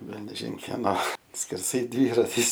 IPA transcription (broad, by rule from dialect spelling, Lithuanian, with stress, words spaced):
ˈʋʲɛlʲnʲɛʒʲɪn kʲɛˈnoː sʲkʲɛrˈsɐɪ ˈdʲʋʲiːrɐtʲɪs